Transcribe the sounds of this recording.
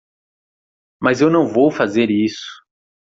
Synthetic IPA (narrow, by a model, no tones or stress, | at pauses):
mɐzewnɐ̃w̃vowfazeɾisʊ̥